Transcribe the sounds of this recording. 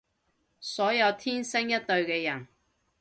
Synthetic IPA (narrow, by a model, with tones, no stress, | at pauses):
sɔː˨˥jɐ˧wt̪ʰiː˥nsɪ˥ŋjɐ˥t̚t̪ɵ˧ɥkɛː˧jɐ˨˩n